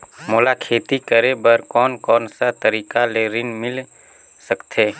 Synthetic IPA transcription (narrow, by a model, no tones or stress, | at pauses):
moːlakʰeːt̪ikəɾebəɾkɔːnkɔːnsat̪əɾiːkaleːɾɪnmɪl | səkt̪ʰeː